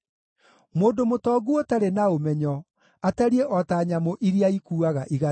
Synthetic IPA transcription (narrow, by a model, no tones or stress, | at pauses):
moːndomotɔːɡuɔtaɾenaomɛɲɔ | ataɾieʔɔtaːɲamoʔiɾiaikuːaɣaʔiɣa